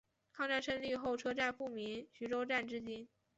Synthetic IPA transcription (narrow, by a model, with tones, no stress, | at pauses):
kʰɑ˥˧ŋʈ͡ʂa˥˧nʂʰə˥˧nli˥˧xo˥˩ʊʈ͡ʂʰɤ˥ʈ͡ʂa˥˧nfu˥˩mi˧˥nɕy˧˥ʈ͡ʂo˥ʊʈ͡ʂa˥˩nʈ͡ʂɻ̩˥t͡ɕi˥n